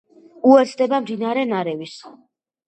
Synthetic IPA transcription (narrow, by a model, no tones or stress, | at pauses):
uɛt̪sʰd̪ɛbamd̪inaɾɛnaɾɛvis